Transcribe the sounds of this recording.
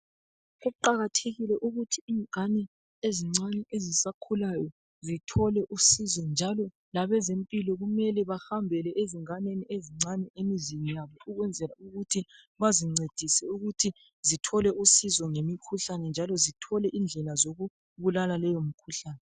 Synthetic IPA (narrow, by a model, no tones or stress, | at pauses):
ɣuuǃaɣatʰeɣilɛʔuɣutʰiiːŋanɛ | eziŋ͡ǀanɛʔezisakʰulajɔ | zitʰɔlɛʔusizɔnd͡ʒʱalɔ | laβɛzempʼilɔɣumɛlɛβahambʱɛlɛʔeziŋanenieziŋ͡ǀanɛʔemiziɲijaβɔuɣwɛnd͡zʱɛlauɣutʰi | βaziŋ͡ǀed̥ʱisɛuɣutʰi | zitʰɔlɛʔusizɔŋemikʰuɬanɛnd͡ʒʱalɔzitʰɔlɛʔind͡ɮʱɛlazoɣu | βulalalɛjomikʰuɬaːnɛ